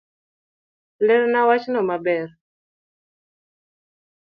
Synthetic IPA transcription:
leɾnawat͡ʃnɔmabɛr

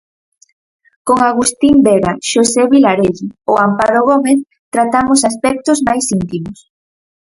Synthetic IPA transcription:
koŋaɣust̪imbeɣaʃoseβilaɾeʎioampaɾoɣ̞omeθ | t̪ɾat̪amʊsaspɛk̚t̪ʊzmajsint̪imʊs

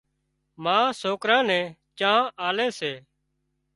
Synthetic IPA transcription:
mãːsoːkɾãːnɛ̃ːt͡ʃãːʔaːleːseː

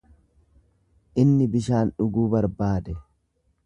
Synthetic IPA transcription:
ʔɪnːɪbɪʃaːnᶑʊɡuːbɐɾbaːd̪ɛ

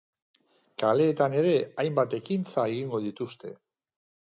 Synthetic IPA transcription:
kale̞ːt̪ane̞ɾe̞ajmbat̪e̞kint͡sae̞ɣiŋɡo̞ðit̪ust̪e̞̰

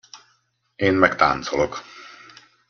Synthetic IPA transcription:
eːnmɛkt̪a̰ːnt̪solok

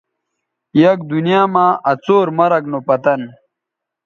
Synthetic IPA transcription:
jɐk̚d̪unijaːmaːʔɐt͡soːɾmɐɾɐknopɐt̪ɐn

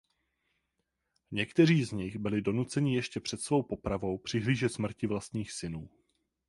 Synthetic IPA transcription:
ɲɛkt̪ɛr̝iːzɲɪɣbɪlɪdo̞nut͡sɛɲɪjɛʃcɛpr̥ɛt̪svo̞wpo̞pɾavo̞wpr̝̥ɪɦliːʒɛt̪smr̩cɪvlast̪ɲiːxsɪnuː

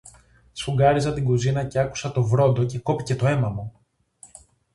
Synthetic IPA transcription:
sfuɡɐɾizɐt̪iŋɡuzinɐce̞ɐku̥sɐt̪o̞vɾo̞nd̪o̞ce̞ko̞pi̥ce̞t̪o̞e̞mɐmu

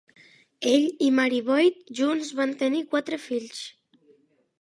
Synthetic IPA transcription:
eʎimaɾiβɔjt̪̚ʒunzβant̪enikwat̪ɾefiʎs

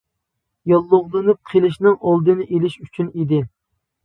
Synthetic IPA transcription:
jɑlˠːoʁlˠɨnɨp̚qʰelˠɪʃnɨŋʔɑlˠd̪ɨnɨʔelɪʃyt͡ʃʰynid̪ɪ

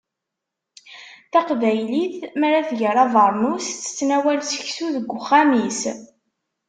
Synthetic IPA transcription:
θæqvæjliθmæɾæθʝəɾˤɑðˤəɾˤnust͡sːə̥t͡sːnæwælsə̥çsuðəɡʷːʊχːæmis

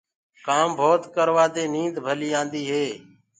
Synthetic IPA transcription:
kaːmbʱoːt̪kəɾʋaːd̪eːnĩːnd̪bʱəliːãːnd̪iːɦeː

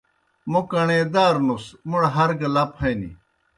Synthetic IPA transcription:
mukɐɳeːd̪aːɾnusmuɽɦɐɾɡɐlɐpʰɐjnḭ

